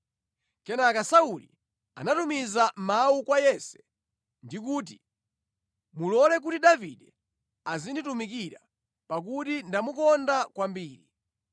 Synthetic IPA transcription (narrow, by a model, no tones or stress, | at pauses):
kɛnakasaulḭ | a̰natumizamaukwajɛsɛ̥ | ndik̬uːt̬i | mulɔlɛk̬utiɗaviɗɛ | azinditumik̬iɾa | pak̬utindamukɔndakwambiːɾi